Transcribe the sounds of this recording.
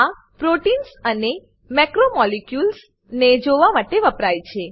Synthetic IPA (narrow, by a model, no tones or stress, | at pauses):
a | pɾoʈinsəne | mɛkɾomɔlekjuls | ned͡ʒoʋamaʈeʋəpɾajt͡ʃʰe